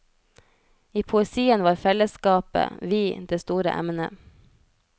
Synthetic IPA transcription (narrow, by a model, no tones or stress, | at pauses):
iːpʰʊɛsiːənʋɑːɾfɛləskɑːpə̰ʋiːd̪eːst̪uːɾə̰ʔɛ̰mnə̰